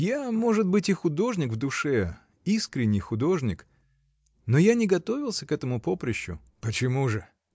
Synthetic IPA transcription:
jamo̞ʐɨt̪̚bɨtʲɪxʊd̪o̞ʐnʲɪkvd̪ʊʂɛ | iskɾʲɪnʲːɪjxʊd̪o̞ʐnʲɪk | nojanʲɪɡɐt̪o̞vʲɪlˠsʲəkɛt̪əmʊpo̞pɾʲɪɕːʊ̰ | pət͡ɕɪmuʐɨ

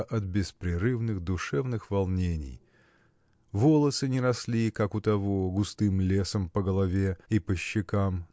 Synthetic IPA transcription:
ʔɐt̪̚bʲɪspɾʲɪɾɨvnɨɣd̪ʊʂɛvnɨxvɐlˠnʲenʲɪ̰j | volˠəsɨnʲɪɾɐslʲikakʊt̪ɐvoɡʊst̪ɨmlʲesəmpəɡəlˠɐvʲeipəɕːɪkam

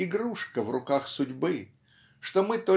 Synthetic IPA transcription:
ɪɡɾuʂkəvrʊkaxsʊdʲbɨ | ʂt̪omɨt̪o

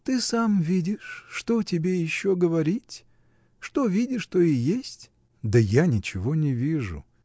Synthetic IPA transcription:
t̪ɨsamvʲidʲɪʂːt̪otʲɪbʲejɪɕːoɡəvɐɾʲitʲ | ʂt̪ovʲidʲɪʂt̪oɪjesʲtʲ | d̪ɐjanʲɪt͡ɕɪvonʲɪvʲiʐʊ̰

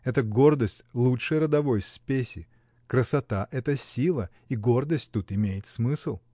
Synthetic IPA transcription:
ɛt̪əɡo̞rd̪əsʲtʲlˠutʂəjɾəd̪ɐvo̞jspʲesʲɪ | kɾəsɐt̪aʔɛt̪əsʲilˠə | iɡo̞rd̪əsʲtʲt̪ut̪ɪmʲejɪt̪smɨsɨlˠ

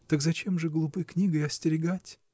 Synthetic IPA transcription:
t̪əkzɐt͡ɕemʐɨɡlˠʊpɨjknʲiɡɨɐsʲtʲɪɾʲɪɡatʲ

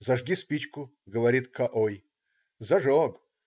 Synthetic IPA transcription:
zɐʐɡʲispʲit͡ɕkʊ | ɡəʋɐɾʲit̪kʰɐʔoj | zɐʐoɡ

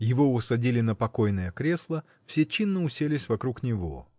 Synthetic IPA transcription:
jɪvo̞ʊsɐdʲilʲɪnəpɐko̞jnəjəkɾʲe̞slˠə | fsʲet͡ɕinːəʊsʲelʲɪsʲvɐkɾuknʲɪvo̞̰

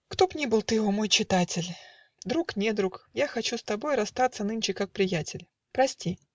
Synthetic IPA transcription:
kt̪o̞pnʲibɨlˠt̪ɨjvomo̞jt͡ɕɪt̪atʲɪlʲ | d̪ɾuknʲed̪ɾukjaxɐt͡ɕust̪ɐbo̞jɾɐst̪at̪sənɨnʲt͡ɕɪkak̚pɾʲɪjætʲɪlʲ | pɾɐsʲtʲi

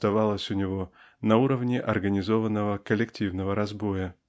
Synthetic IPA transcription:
t̪ɐvɑlˠəsʲʊnʲɪvo̞ | nɐuɾəvnʲɪʔɐrɡənʲɪzo̞vənːəvəkəlʲɪktʲivnəvəɾɐzbo̞jə

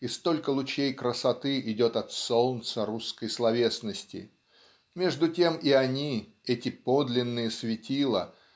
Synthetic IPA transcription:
ɪst̪o̞lʲkəlˠʊt͡ɕejkɾəsɐt̪ɨʔɪdʲo̞t̪ɐt̪so̞lˠnt̪səɾuskəjslˠɐvʲe̞snəsʲtʲɪ̰ | mʲe̞ʐd̪ʊtʲe̞mɪɐnʲi | ɛtʲɪpo̞d̪lʲɪnːɨjəsvʲɪtʲilˠə̰

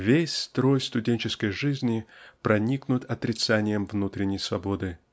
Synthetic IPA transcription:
vʲesʲst̪ɾo̞jst̪ʊdʲenʲt͡ɕɪskəjʐɨzʲnʲɪpɾɐnʲiknʊt̪ɐt̪ɾʲɪt̪sanʲɪjəmvnut̪ɾʲɪnʲːəjsvɐbo̞d̪ɨ

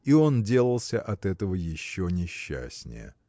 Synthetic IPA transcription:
io̞ndʲe̞lˠəlˠsʲəʔɐt̪ɛt̪əvəjɪɕːonʲɪɕːæ̰sʲnʲɪ̰jə̰

